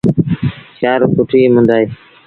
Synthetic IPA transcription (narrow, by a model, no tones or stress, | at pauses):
t͡ʃaːɾkʊʈʰiːmʊ̃nd̪aːiː